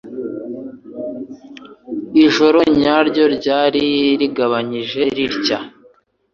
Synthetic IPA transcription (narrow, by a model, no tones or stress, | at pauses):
iʒo̞ɾo̞ɲaːɾɟo̞ɾɟaːɾiɾiɡaβaɲiʒe̞ɾiɾca